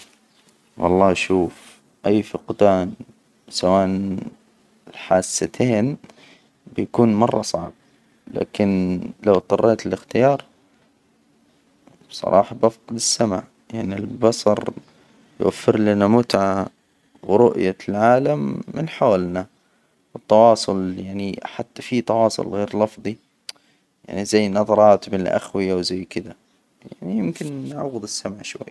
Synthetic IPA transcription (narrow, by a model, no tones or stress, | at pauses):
wɑ̰lˤːɑːʃuːf | ʔajːfɪqd̪aːn | sawaːʔn | ɪlħaːsːat̪ʰeːn | bɪjakuːnmɑrˤːɑsˤɑʕb̚ | la̰ːkɪnlawt̪ˤɑrˤːeːt̪ɪlɪxt̪ɪjɑːɾˤ | sˤɑ̰ɾˤɑ̰ːħɑbʔafqɪd̪ɪsːama̰ʕ | jaʕnilbɑsˤɑ̰ɾˤ | jwʔa̰fːɪɾlanamʊt̪ʕa | wɾʊʔjalʕaːlamːɪnħawalna | wɪt̪ːɑwɑːsˤʊljaʕniħat̪ːḁfit̪ɑwɑːsˤʊ̰lɣeːɾlɑfðˤi | ja̰ʕnizajːnɑðˤɑɾˤɑːt̪bɪnɪlʔa̰xwɪjawzajːkɪd̪a | ja̰ʕnijɪmkɪnːʕaɣʊd̪ɪsːamʕʃwa̰jː